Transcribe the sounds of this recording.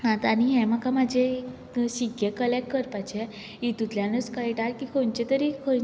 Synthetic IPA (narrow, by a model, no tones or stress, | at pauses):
nãt̪aniɦɛ̃makamad͡ʑʱe | ɕikːekəlek̚kəɾpat͡ɕɛ | it̪ut̪ljãnət͡skəjʈaɾkikʰont͡ɕet̪əɾikʰo